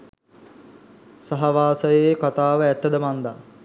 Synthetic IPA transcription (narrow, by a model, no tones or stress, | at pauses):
saɦaʋaːsəjejkat̪aːʋəæt̪ːəd̪əmand̪a